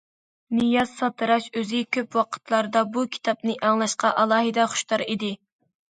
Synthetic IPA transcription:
nijɑzsɑt̪ʰɨɾɑʃøzɪkʲʰøpwɑqʰə̥t̪ʰlˠɑɾɨd̪ɑbukʲʰi̥t̪ʰɑp̚nɨʔɑŋlˠɑʃqɑʔɑlˠɑːɦɨd̪ɛχʊ̥ʃt̪ɑɾid̪ɪ

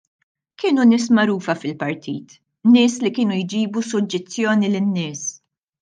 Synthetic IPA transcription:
kɪːnunɪːs̬mɐɾuːfɐfɪlpɐɾt̪ʰḭːt̪ | nːɪːslikɪːnujd͡ʒiːbusʊd͡ʒːɛst̪ːjɔːnilɪnːɪːs

